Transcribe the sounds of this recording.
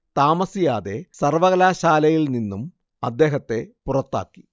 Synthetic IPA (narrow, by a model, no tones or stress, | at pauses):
t̪aːmɐsijaːðe̞sɐrʋɐɣɐlaːɕaːlɐjilninːum | ɐd̪ːe̞ːɦɐt̪ːe̞purɐt̪ːa̰ːkːi̥